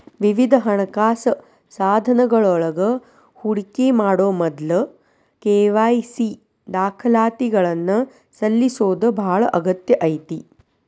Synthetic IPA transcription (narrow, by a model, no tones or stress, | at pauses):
ʋiʋid̪ʱɐɦɐɳɐkaːsɐ | saːd̪ʱɐnɐɡɐɭɔɭɐɡɐ | huɽikemaːɽoːmɔd̪lɐ | keːʋaːjsi | d̪aːkʰɐlaːt̪iɡɐɭɐnːɐ | sɐlːisoːd̪ɐbʱaːɭɐʔɐɡɐt̪jɐʔɐjt̪i